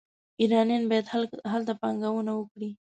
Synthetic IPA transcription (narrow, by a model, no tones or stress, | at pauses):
iɾɑnjɑnbɑjad̪ɦalt̪apaŋɡawənawəkɽi